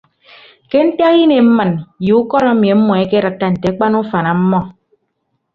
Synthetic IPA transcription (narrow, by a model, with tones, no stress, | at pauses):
ke˦n̩˦ta˦ji˦ne˨m̩˦mə˨nju˨u˦kɔ˦ɾa˦mi˨e˨m̩˦mɔ˨e˦ke˦ɾa˨tːa˦n̩˨te˨a˦k͡pa˦nu˦fa˨na˨m̩˦mɔ˦